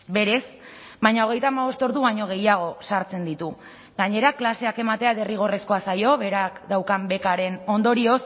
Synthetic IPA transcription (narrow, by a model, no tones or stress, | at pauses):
be̞ɾe̞s | bajɲaoɣ̞e̞jt̪aːmaβo̞st̪o̞ɾðuβaɲo̞ɣ̞e̞jaɣ̞o̞saɾt͡se̞nd̪it̪u | ɡaɲe̞ɾaklase̞ake̞mat̪e̞aðe̞riɣ̞o̞re̞sko̞asajo̞βe̞ɾakd̪awkambe̞kaɾe̞no̞nd̪o̞ɾio̞s